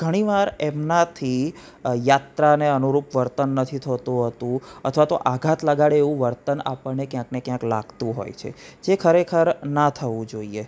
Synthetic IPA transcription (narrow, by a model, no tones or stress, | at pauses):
ɡ̥ʱəɽ̃iʋaɾemnat̪ʰi | jat̪ɾaneənuɾupʋəɾt̪ənːət̪ʰit̪ʰət̪ũɦət̪ũət̪ʰʋat̪o̰ʔaɡʱat̪ləɡaɭeʋũʋəɾt̪əna̰pəɭnekjãknekjãkla̰ɡt̪ũɦo̰jt͡ʃʰḛd͡ʒekʰəɾekʰəɾnət̪ʰəʋũd͡ʒoie